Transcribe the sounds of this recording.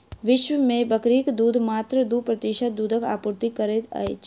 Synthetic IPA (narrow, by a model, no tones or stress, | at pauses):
ʋɪʃʋəmẽbəkɾikd̪uːd̪ʱmaːt̪ɾəd̪upɾɐt̪ɪʃət̪̚d̪uːd̪ʱəka̰ːpuɾt̪ikɐɾet̪ə̰et͡ʃ